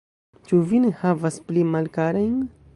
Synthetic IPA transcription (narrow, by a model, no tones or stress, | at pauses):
t͡ʃuvinhavɐsplimalkaɾaiŋɡ